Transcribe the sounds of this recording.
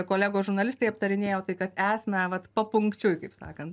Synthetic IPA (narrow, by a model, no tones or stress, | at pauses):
koːlʲæːɡoːsʒʊɾnɐlʲɪst̪ɐɪɐpt̪ɐɾʲɪnʲeːjoːt̪ɐɪkɐt̪æːsʲmʲɛʋɐt̪pɐpʊŋkt͡ʃʲʊjkɐɪpsɑ̰ːkɐnt̪